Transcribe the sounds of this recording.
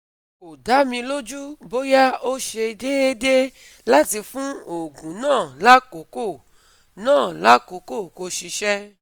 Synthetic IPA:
o˨da˨˦mĩ˧lo˦d͡ʒu˦bo˦ja˦o˦ʃe˧de˦e˦de˦ | la˦ti˧fũ˦o˨ɡũ˨nãː˦˨la˦ko˨˦ko˦˨ | nãː˦˨la˦ko˨˦ko˦˨ko˧ʃi˧ʃɛ˦

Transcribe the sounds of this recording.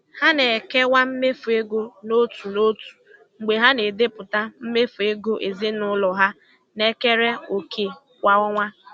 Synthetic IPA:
ha˦ne˨ke˦wa˦m̩˦me˦fu˨e˦ɡo˦no˦tu˨no˦tu̥˨ | ŋ͡m̩˨ɡ͡be˨ɦa˦ne˨de˦pʊ˨ta˦m̩˦me˦fu˨e˦ɡo˦ʔe˨zɪ˦nʊ˦lɔ˨ɦa˦ | ne˦ke˦ɾe˦o˨kʰe˨ | wʷa˦ɔ˦ŋʷa˦

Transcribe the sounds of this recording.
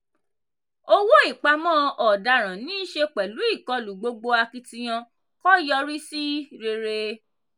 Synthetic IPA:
o˦wo˦i˦˨k͡pa˧mɔ̃˦ʔɔ˨da˧˨ɾ̃ã˨nĩ˦ʃe˧k͡pɛ˨lu˨˦i˦˨kɔ˨˧lu˨ɡ͡bo˧ɡ͡bo˧a˧ki˧tĩ˧j̃ã˧ | kɔ˦jɔ˧ɾi˦si˦ɾe˧ɾe˧

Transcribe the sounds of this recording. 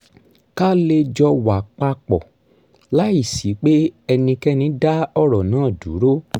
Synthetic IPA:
ka˦le˧d͡ʒɔ˧wa˨k͡pa˧k͡pɔ̰˨ | la˦i˦˨si˨˦k͡pe˦ɛ˧nĩ˧kɛ˦nĩ˧˦da˦ɔ˦˨ɾɔ˨nãː˨˦˨du˨˦ɾo˦

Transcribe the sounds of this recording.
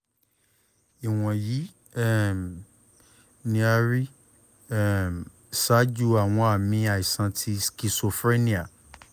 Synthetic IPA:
i˨w̃ɔ̃˨ji˨˦ | ɛ˦m | nĩ˧˦a˧ɾi˦˨ | m | sa˦d͡ʒu˦a˨w̃ɔ̃˧a˨mĩ˧˦a˨i˨sã˧tʰi˧ski˧so˧fɾe˦nĩ˦a˨

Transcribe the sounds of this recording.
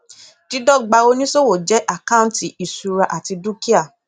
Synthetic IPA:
ti˨˦dɔ˦˨ɡ͡ba˧o˧nĩ˦so˦wo˨d͡ʒɛ˨˦ʔa˦˨kã˦ti˨i˨su˨˧ɾa˧ʔa˨ti˧du˦ki˦a˦˨

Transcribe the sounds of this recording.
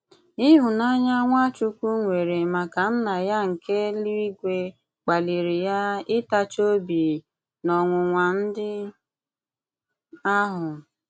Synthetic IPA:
ɪ˦ɦʊ˨na˦ɲa˦ŋʷa˦t͡ʃu˦kʷu˦ŋʷe˨ɾe˨ma˨ka˨n̩˦na˨ja˦ŋ̩˨kʰe˦li˦i˦ɡʷe˦ | k͡pa˨li˨ɾi˨ja˦ɪ˦ta˦t͡ʃo˦bi˨ | nɔ˨ŋʷʊ˨ŋʷa˨n̩˦dɪ˦ | a˦ɦʊ˨

